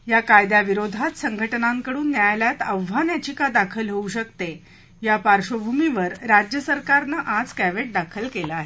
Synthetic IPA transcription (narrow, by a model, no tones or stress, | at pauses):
jakajd̪jaʋiɾod̪ʱat̪səŋɡʱəʈnãŋkəɽuːnːjajljat̪əʋʋanjat͡ɕikad̪akʰəlɦeuɕəkt̪e | japaɾʂobʱumiʋəɾɾad͡ʑjəsəɾkaɾnəʔad͡zkæʋeʈ̚d̪akʰəlkelaaːɦe